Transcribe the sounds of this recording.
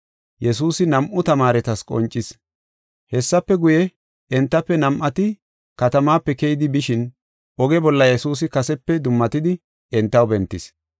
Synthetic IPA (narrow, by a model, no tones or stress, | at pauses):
jɛsuːsɪnɐmʔʊt̪ɐmaːɾɛt̪ɐskʼɔ̰nt͡ʃʼːɪs | hɛsːɐpːɛɡʊjɛ | ɛnt̪ːɐpːɛnɐmʔɐt̪ɪ | kɐt̪ɐmaːpːɛkɛjɪd̪ɪbɪʃɪn | ʔɔɡɛbɔlːɐjɛsuːs̬ɪkɐsɛpːɛd̪ʊmːɐt̪ɪd̪ɪ | ɛnt̪ːɐwbɛnt̪ːɪs